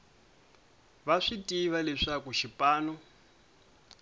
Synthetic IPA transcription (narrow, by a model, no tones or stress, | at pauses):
βaʂitʼiβalɛʂakuʃipʼaːnɔ